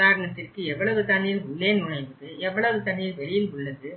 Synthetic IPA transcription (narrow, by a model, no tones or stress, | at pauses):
ðaːɾɐɳɐt̪ːɪrkɯɛʋːɐɭɐʋɯt̪ɐɳːɪjɪlʊɭːeːnnʊɽɐɪʋɐðɯɛʋːɐɭɐʋɯt̪ɐɳːɪjɪlʋɛɭɪjɪlʊɭːɐðɯ